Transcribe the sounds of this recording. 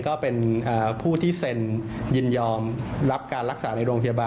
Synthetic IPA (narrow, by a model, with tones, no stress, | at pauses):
kɔː˥˩pe˧nʔaː˨˩pʰuː˥˩t̪ʰiː˥˩se˧njɯ˧˩njɔː˧mɾa˦˥p̚kaː˧nɾa˦˥k̚saː˩˦na˧jɾoː˧ŋpʰa˧jaː˧baː˧